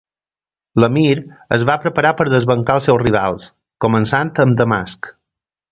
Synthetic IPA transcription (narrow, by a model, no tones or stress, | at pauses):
ləmiɾəzβapɾəpəɾapəɾðəzβəŋkaəlˠsɛwsriβ̞a̰lˠs | kumənsant̪əmd̪əma̰sk